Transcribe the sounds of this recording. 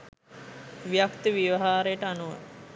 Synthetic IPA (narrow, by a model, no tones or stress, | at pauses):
ʋijakt̪əʋiʋɐɦaːɾejəʈəanuʋə̰